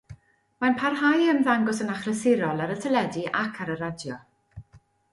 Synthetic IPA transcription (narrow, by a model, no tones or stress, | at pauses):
manpʰarɦajəmðaŋɡɔsənaχrəsɪɾɔlˠaɾətʰəlɛdiʔakʰaɾəɾadjɔ